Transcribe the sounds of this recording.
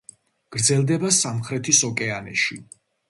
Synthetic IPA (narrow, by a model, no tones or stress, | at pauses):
ɡ̥ɾd̪zɛlˠd̪ɛbasamχɾɛt̪ʰisɔkʼɛanɛ̰ʃi